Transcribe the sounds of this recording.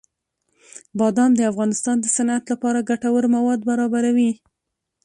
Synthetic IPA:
bɑd̪ɑmd̪əafɣɑnɪst̪ɑnd̪əsanat̪lapɑɾaɡaʈawəɾmawɑd̪baɾɑbaɾawi

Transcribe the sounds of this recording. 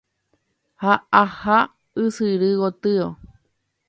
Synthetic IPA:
haaha | ɨsɨɾɨɣot̪ɨo

